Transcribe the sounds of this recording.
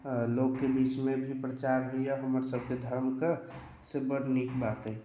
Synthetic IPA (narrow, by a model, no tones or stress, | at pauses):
loːɡkːebiːt͡ʃmẽbʱipɾət͡ʃaɾɦoijaɦəməɾsəb̚ʱked̪ʱəɾmkə | sebəɾnikbaːt̪ɦɛ